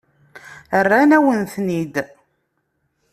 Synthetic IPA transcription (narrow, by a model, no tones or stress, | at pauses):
ərːænæwənθnid̪